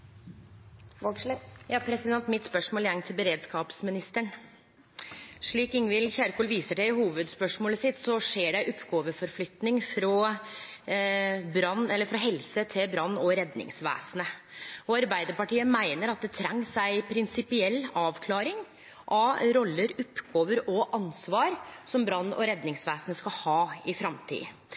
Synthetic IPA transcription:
jɑːpʰɾɛsɪd̪ɛnt̪mɪt̪spœʂmoːljæŋt̪ʰɪlbəɾeːd̪skɑːpsmɪnɪst̪əɳ | ʂɭiːkɪŋʋɪlçæːɾkʰuːlʋiːsəʈæɪhuːʋəd̪spœʂmoːləsɪt̪ːsɔʂeːɖɛɪʔɔpːɡoːʋəfɔɾflʏt̪nɪŋfɾɔ | bɾɑnːɛlːəɾfɾɑɦɛlsət̪ʰɪlbɾɑnːɔɾɛd̪nɪ̰ŋsʋæ̰ːsənəɔɑɾbæɪd̪əɾpɑʈiːəmæɪnəɾɑt̪̚d̪ɛt̪ʰɾɛŋːsæɪpʰɾɪnsɪpɪɛlːɑːʋkʰlɑːɾɪŋ | ʔɑɾɔlːəɾʊpɡoːʋəɾɔʔɑnsʋɑːɾsɔmbɾɑnːɔ̰ɾɛd̪nɪŋsʋæːsənəskɑhɑːɪfɾɑmt̪ʰḭː

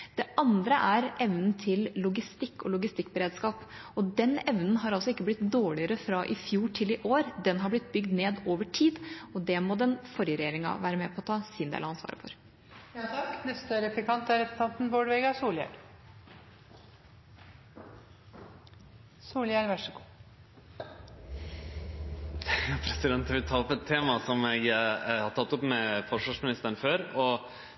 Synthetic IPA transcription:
d̪̥ɛʔɑnd̪ɾəʔæɾʔɛʋnn̩t̪ʰɪlːʊɡɪst̪ɪkːɔlʊɡɪst̪ɪkːbəɾeːd̪skɑːpɔd̪ɛnɛʋnn̩ɦɑɾɑlsɔɪkːəblɪt̪d̪oːɭɪəɾəfɾɑʔɪfjuːʈʰɪlɪʔoːɾd̪ɛnɦɑɾblɪt̪̚bʏɡd̪neːd̪oːʋəʈʰiːd̪ɔd̪ɛmɔd̪ɛnfɔɾjəɾɛjeːɾɪŋɑ̰ʋæːɾəmɛpʰɔɔt̪ʰɑːsiːnd̪ḛːlɑɑnsʋɑ̰ːɾə̰fɔ̰ɾ | j̪ʰɑkːnɛst̪əɾɛplɪkɑnt̪æɾɛpʊ̥t̪ɑnt̪nboːɖʋɛɡɑsuːljæ̰l | suːljælʋæʂəɡuː | pʰɾɛsɪd̪ɛnt̪ʋɪlt̪ʰɑːɔpɛt̪ʰːeːmɑsɔmjæɡhɑt̪ʰɑt̪ːɔpmɛfɔʂʋɑʂmɪnɪst̪əɳ̩føːɾɔ

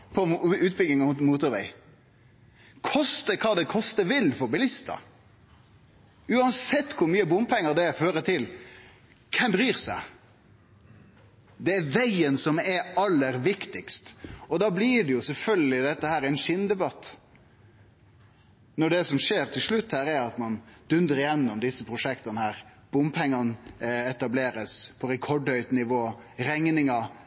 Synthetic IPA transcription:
pʰɔʉːt̪̚bʏɡɪŋɑʊmuːt̪ʊɾʋæ̰ɪ | kʰɔst̪əkʰɑːd̪ɛkʰɔst̪əʋɪlfɔɾbɪlɪst̪ɑ̰ | ʉːɑnsɛt̪ːkʰʊɾmyːəbʊmpʰɛŋːəɾd̪ɛæføːɾət̪ʰɪl | kʰɛmbɾyːɾsæ̰ɪ | d̪ɛæɾʋæɪənsɔmɛɾɑlːəɾʋɪkt̪ɪkst̪ɔd̪ɑːblɪɖɛjʊsɛlfœlɡəlɪd̪ɛt̪ːəhæːɾæɪnʃɪnd̪ɛbɑt̪ː | nɔɖɛsɔmʂeːɾt̪ʰɪlʂlʉt̪ːhæːɾæɾɑt̪mɑnd̪̥ʉnd̪əɾɪjɛnːʊmd̪ɪsːəpʰɾʊʂɛkt̪ɑnəhæːɾb̥ʊmpʰɛŋːɑnɛt̪ɑbleːɾəspʰɔɾɛkʰɔɖhœʏt̪nɪʋoːɾɛŋnɪŋɑ

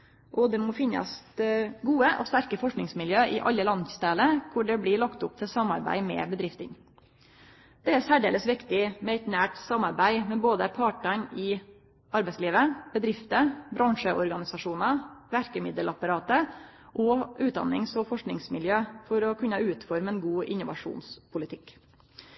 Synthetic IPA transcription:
ʔɔd̪ɛmɔfɪnɑ̰s | ɡuːəʔɔ̰st̪æɾkəfɔʂknɪŋsmɪljøːʔɪʔɑ̰lːəlɑnst̪æːləkʰʊɖɛblɪɭɑkt̪ʊp̚t̪ʰɪsɑmːɑ̰ɾbæ̰ɪmɛ̰bəd̪ɾɪft̪ɪ̰ŋ | d̪̥ɛæɾsæːɖeːləsʋɪkt̪ɪmɛɪt̪næːʈsɑmɑɾbæɪmɛboːd̪əpʰɑʈəɳɪ | ʔɑɾbæɪsliːʋəb̥əd̪ɾɪft̪əbɾɑŋʂəʔɔɾɡɑnɪsɑʂuːnɑʋæɾkəmɪd̪əlɑpɑɾɑːt̪əʔɔʔʉːt̪̚d̪ɑ̰nːɪŋsɔfɔʂknɪŋsmɪljøːfɔɾɔkʰʉnəʉːt̪fɔɾmɛnɡuːʔɪ̰nːʊʋɑ̰ʂṵːnspʰʊlɪt̪ʰɪkː

